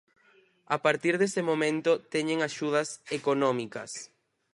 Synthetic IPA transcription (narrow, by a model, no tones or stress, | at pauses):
apaɾt̪iɾðesɪmõmẽnt̪ʊt̪ɛɲẽŋaʃuð̞ɐsekonɔmikɐ̰s